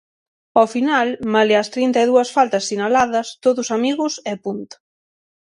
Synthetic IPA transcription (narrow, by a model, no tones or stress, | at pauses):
ofinalmalɪast̪ɾint̪aiðuɐsfalt̪ɐsːinalaðɐst̪oðʊsamiɣʊsɛpunt̪